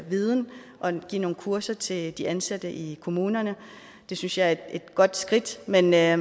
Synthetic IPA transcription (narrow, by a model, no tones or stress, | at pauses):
ʋið̞ˠn̩ʔɒ̽ɡ̥ḭno̝ːn̩kʰuɐsɐt͡sʰe̝ld̥iʔænsæd̥əʔikʰo̝muːnɐnə | d̥e̝synsjɑ̈ɪæ̥e̝d̥ɡ̥ɒ̽d̥sɡ̥ʁid̥men